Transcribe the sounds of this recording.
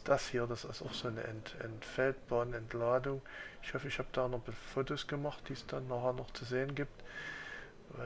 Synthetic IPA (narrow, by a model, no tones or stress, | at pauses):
sd̥ashiːɐdasasʊ̰xz̥oːnə̰ʔɛ̰ntʔɛ̰ntfɛlt̚b̥aːnəɛntlaːdʊŋɪçhɔfəɪçhaːbd̥aːnɔbɑfoːtoːsɡ̥əmaχt̚d̥iːsd̥anːaːχeːɐnɔχt͡suzeːənɡiːp̚t | a̰